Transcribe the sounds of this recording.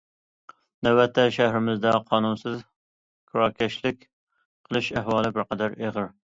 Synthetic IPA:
næwɛt̪ʰːɛʃæhɾɪmɪzd̪ɛqʰɑːnunsɨz | kʰɾɑːkʲʰɛʃlɪkʲ | qʰəlˠɨʃæhwɑːlˠɪbɪɾqɑd̪æɾeʁəɾ

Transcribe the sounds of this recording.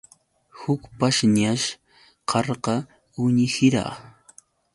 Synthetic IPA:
hʊkpaʃɲaʃ | qʰɑɾqɑ | ʊɲɪhɪɾɑ̰

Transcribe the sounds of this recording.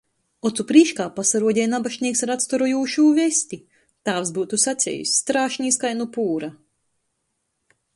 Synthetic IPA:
ɔt̪supɾiːʃkaːpasaɾuɔɟʲɛjnabaʃnʲiɛksaɾat̪st̪ɔɾɔjuːʃuːvɛsʲt̪ʲi | t̪aːvsbuːt̪usat̪sʲɛ̰jṵsʲːt̪ɾaːʃɲiːskajnupuːɾa

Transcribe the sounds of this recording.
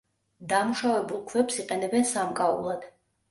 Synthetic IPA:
d̪amuʃavɛbulˠkʰvɛpsiqʼɛnɛbɛnsamkʼaṵlˠad̪̥

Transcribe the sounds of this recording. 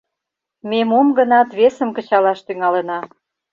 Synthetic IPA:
memomɡə̆nɑt̪βesə̆mkə̆t͡ɕɑlɑʃt̪yŋɑlenɑ

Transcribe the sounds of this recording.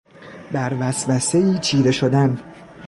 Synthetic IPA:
bæɾvæsvæse̞iːt͡ʃʰiːɾe̞ʃod̪æn

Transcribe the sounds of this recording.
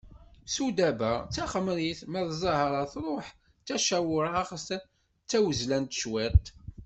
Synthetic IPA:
sud̪æbæt͡sːæχəmɾiθmæðzˤɑhəɾˤɑθɾˤoħ | t͡sːæʃæwʊɾaχs | t͡sːæwəzlænt̪ʃwit̪

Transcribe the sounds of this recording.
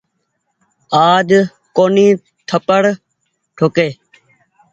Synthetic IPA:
aːd | koːnĩː | t̪ʰəpəɽ | ʈʰoːkeː

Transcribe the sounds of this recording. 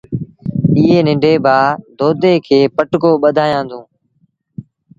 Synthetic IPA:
iːɦeːnɪ̃ɳɖʱeːbʱaːd̪oːd̪ʱeːkʰeːpəʈkoːɓəd̪ʱaːjãːnd̪õː

